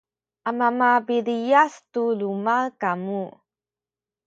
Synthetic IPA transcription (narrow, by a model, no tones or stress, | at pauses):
ʔamamabiɾijastulumakamu